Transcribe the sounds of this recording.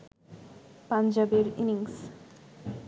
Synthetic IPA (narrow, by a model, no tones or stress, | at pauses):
pand͡ʑabeɾiniŋs